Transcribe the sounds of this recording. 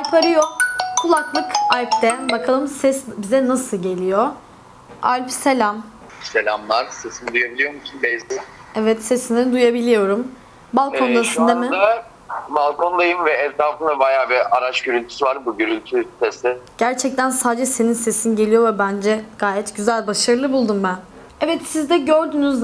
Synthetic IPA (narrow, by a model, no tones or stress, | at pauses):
alʲpʰaɾɯjokʰulˠaklˠɯkalʲp̚t̪ɛbakʰalˠɯmsɛsbizɛnasɯlˠɟe̞lʲijo | a̰lʲpse̞lʲam | selʲamvaɾsesind̪ujabilʲijo̞ɾmusunbɛjt̪i | ɛvɛt̪sesinɛd̪ujabilʲijo̞ɾum | balˠkʰo̞nd̪ˠasɯnd̪amɪa | balˠkʰond̪ˠajɯmvɛɛt̪ʰɾaːfɯnd̪abajaːbiɾaɾaʃɟøɾylʲt̪ʰy̥sivaɾbuɟøɾylʲt̪ʰysɛsɪɟ̥æɾt͡ʃʰɛc̚t̪ʰænsaːd͡ʒɛse̞ninse̞sinɟe̞lʲijo̞vɛbænd͡ʒɛɡ̥aːjɛt̪ɟyzælʲbaʃaɾɯlˠɯbulˠd̪umbæn | ɛvɛt̪sizd̪ɛɟøɾd̪yːnyz